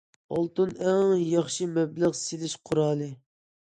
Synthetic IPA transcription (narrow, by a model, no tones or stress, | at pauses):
ɑlˠt̪ɨnɛŋjɑχʃimɛblæʁselɪʃqʰʊɾɑːlˠɨ